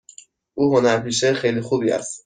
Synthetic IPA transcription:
ʔuːɦonæɾpʰiːʃexejlixuːbiːæ̰st̪

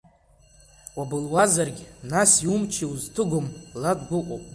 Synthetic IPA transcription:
wabɨlwazarɡʲnasiumt͡ʃʰiuztʰɨɡʷʊmladɡʷʊqʷʼowpʼ

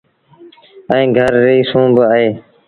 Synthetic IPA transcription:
əĩːɡʱəɾːəiːsũːbəaːɦeː

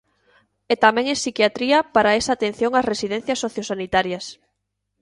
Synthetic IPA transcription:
et̪amɛ̃ŋesikjat̪ɾiɐpaɾaesaːt̪en̟θjõŋasresiðɛn̟θjɐsːoθjosanit̪aɾjɐs

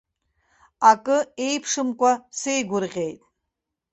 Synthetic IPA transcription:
akʼɨejpʰʂɨmkʷʼasejɡʷʊɾʁʲejtʼ

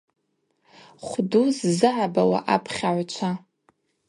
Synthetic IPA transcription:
χʷduzzɨʕabawa̰ʔapʰχʲaʕʷt͡ʃʷʰa

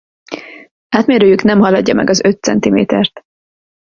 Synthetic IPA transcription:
aːt̪meːɾøːjyknɛmɦɒlɒɟːɒmɛ̰ɡɒzøt̪sɛnt̪imḛːt̪ɛrt̪

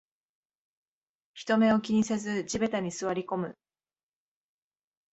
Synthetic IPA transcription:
çi̥t̪o̞me̞o̞kʲiɲ̟ise̞zɨd͡ʑibe̞t̪aɲ̟isɨβaɾʲiko̞mɯ̟

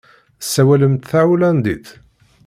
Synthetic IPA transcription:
sːæwæləmt̪θaʕulænd̪iθ

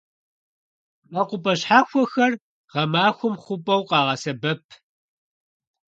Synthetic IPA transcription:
ʔɐqʷʊpʼɐɕħaːxʷɔxɐr | ʁɐmaːxʷʊmχʷʊpʼɐwqɑːʁɐsɐbɐpʰ

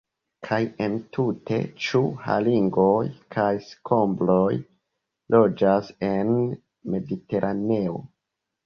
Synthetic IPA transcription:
kʰajentʰute̞̰t͡ʃuha̰liŋɡojkʰajskʰo̞mblo̞j | lo̞d͡ʒase̞n | me̞dite̞ɾʔane̞o̰

